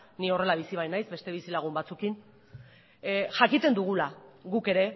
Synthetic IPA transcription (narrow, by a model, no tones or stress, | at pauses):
nio̞re̞laβ̞isiβ̞ajnajzbe̞st̪e̞β̞isilaɣ̞umbat͡sukin | ʝakit̪e̞nd̪uɣ̞ulaɣuke̞ɾe̞